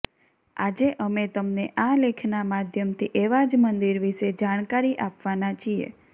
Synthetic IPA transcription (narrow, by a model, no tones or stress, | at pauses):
a̰d͡ʒeʔəmet̪əmneʔalekʰnamad̪ʱjəmt̪ʰiʔeʋad͡ʒmənd̪iɾʋiʃed͡ʒaɽ̃kaɾiʔapʋanat͡ʃʰiḛ